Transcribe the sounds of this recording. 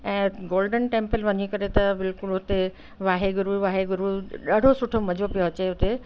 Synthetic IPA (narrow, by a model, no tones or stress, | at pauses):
ɛ̃ːɡoːlɖənʈẽːmpəlʋɐɲikɐɾet̪ɐbɪlkʊlʊt̪e | ʋaːɦeɡʊɾuʋaːɦeɡʊɾuɗaːɽ̤ʱosʊʈʰomɐd͡ʑʱopijoɐt͡ɕeɦʊt̪e